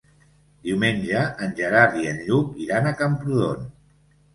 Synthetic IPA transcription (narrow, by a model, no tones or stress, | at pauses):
d̪iwmenʲʒəʔːnʲʒəɾaɾðienʎup̚iɾanakampɾuðon